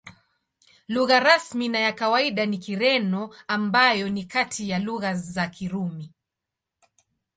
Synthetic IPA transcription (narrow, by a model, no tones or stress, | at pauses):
luɣaɾasminajakawaiɗanikiɾɛnɔambajɔnikatʰijaluɣazakʰiɾumi